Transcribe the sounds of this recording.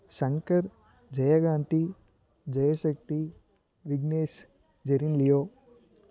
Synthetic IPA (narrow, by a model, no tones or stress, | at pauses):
ʃɐŋkɐɾ | d͡ʒɐjɐɡaːnt̪i | d͡ʒɐjɐʃɐk̚t̪i | ʋiɡneːʃ | d͡ʒɐɾinlijoː